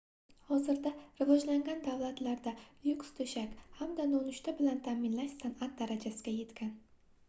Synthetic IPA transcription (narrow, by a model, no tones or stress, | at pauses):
hɒzɪɾd̪aɾɪvɒd͡ʒlaŋɡʲand̪awlˠat̪laɾd̪ajʊkst̪ʰɵʃakʲhamd̪anonʊʃt̪ʰabɪlant̪ʰamɪnlaʃsanat̪̚d̪aɾad͡ʒasɪɡʲaje̞t̪kʲʰan